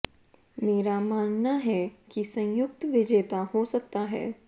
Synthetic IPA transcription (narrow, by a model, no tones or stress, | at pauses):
meːɾamaːnnaɦɛkisɐ̃jʊk̚t̪ʋɪd͡ʒeːt̪aɦosɐk̚t̪aɦɛ̰ː